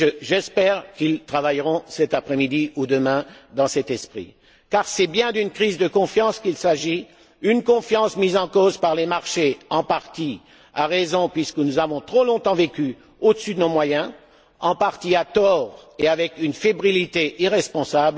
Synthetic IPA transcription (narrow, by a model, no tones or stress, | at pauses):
ʒəʒɛspɛʁkilt̪χavajʁɔ̃sɛt̪apχɛmid̪iud̪əmɛ̃d̪ɑ̃sɛt̪ɛspχḭ | kaʁsɛbjɛ̃d̪ynkχizd̪əkɔ̃fjɑ̃skilsaʒi | ynkɔ̃fjɑ̃smizɑ̃kozpaʁlemaʁʃeɑ̃paʁt̪i | aʁezɔ̃pɥiskənuzavɔ̃t̪χolɔ̃t̪ɑ̃vekʲy | od̪əsyd̪ənomwajɛ̃ | ɑ̃paʁt̪iat̪ɔːʁeavɛkynfebʁilit̪eʔiʁɛspɔ̃sabl